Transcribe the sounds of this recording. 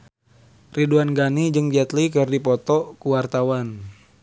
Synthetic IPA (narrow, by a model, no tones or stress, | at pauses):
riduanɡanid͡ʒɨŋd͡ʒɛt̪likɨrdipɔt̪ɔkuwart̪awan